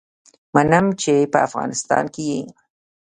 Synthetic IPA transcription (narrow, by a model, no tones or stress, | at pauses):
manamt͡ʃejpaafɣɑ̰ːnɪst̪a̰ːŋkɪjej